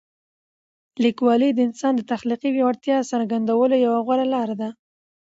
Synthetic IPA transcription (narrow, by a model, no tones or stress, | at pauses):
likwɑlid̪əɪnsɑnd̪ət̪axliqiwjewaɽt̪jɑsaɾɡand̪awəlojawaɣwaɾalɑɾad̪a